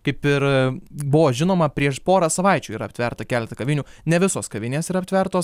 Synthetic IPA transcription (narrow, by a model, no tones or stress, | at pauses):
kɐɪpɪɾbʊʋoːʒʲɪnoːmɐpʲɾʲiɛʃpoːɾɐsɐʋɐɪt͡ʃʲuːiːɾɐpʲt̪ʲʋʲɛɾt̪ɐkʲæːlʲɛt̪ɐkɐʋʲɪnʲuːnʲɛʋʲɪsoːskɐʋʲɪnʲeːsiɾɐpʲt̪ʋʲɛrt̪oːs